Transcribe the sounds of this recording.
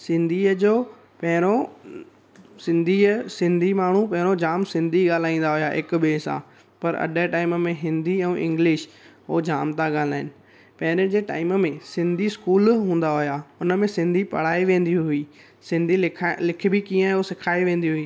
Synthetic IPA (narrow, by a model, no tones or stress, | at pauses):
sɪ̃nd̪ʱiːəd͡ʑoː | pɐɦɪɾ̃o | sɪ̃nd̪ʱisɪ̃nd̪ʱimaːɳ̤upɐ̃ɦɪ̃ɾ̃od͡ʑaːmsɪ̃nd̪ʱiɠaːl̤aːĩːn̆d̪aɦʊjaʔɪkɓeːsã̰ː | pɐɾɐ̰ɗəʈaːɪməmẽɦɪ̃nd̪iɛ̃ːʔɪ̰̃ŋɡlɪʃ | ɦoːd͡ʑaːmt̪aɠaːl̤aːɦɪnɪ̆ | pɐɦɪɾd͡ʑeːʈa̰ːɪməmẽsɪ̃nd̪ʱiskuːlɦũːn̆d̪aɦʊjaːʊnə̆mẽsɪ̃nd̪ʱipɐ̰ɽ̤aːiʋẽːnd̪iɦʊiː | sɪ̃nd̪ʱilɪk̆ʰbʱɪkĩːə̃osɪkʰaːiʋẽːn̆d̪iɦʊiː